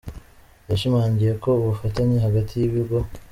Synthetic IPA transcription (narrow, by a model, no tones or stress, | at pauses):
jaʃimaːɲɟije̞ko̞uβufataɲeɦaɡatʰijiβiɾɡo̞